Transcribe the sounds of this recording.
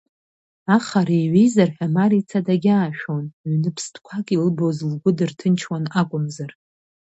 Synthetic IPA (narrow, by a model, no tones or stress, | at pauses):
aχaɾejɥʷejzarħʷᶣamaɾit͡sʰadaɡʲaːʃᶣonɥnɨpʰstʰʼkʷʰakʲʼilɨbozlɡʷʊdɨrtʰɨnt͡ʃʰwanakʷʼʊmzar